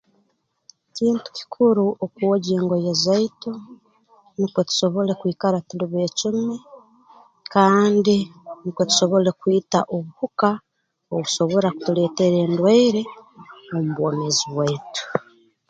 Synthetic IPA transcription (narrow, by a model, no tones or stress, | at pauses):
ciːntu̥ci̥kʰuɾuʔokuwoɟeːŋɡojezaito | nikwetu̥so̞βo̞le̞kwiːkaɾatuliβeːcume | kaːndinikwe̞tu̥so̞βo̞le̞kwiːtaʔoβuhuka | oβuso̞βo̞ɾaku̥tule̞ːte̞ɾe̞ːndwaiɾe̞omuβwoːmeziβwetu̥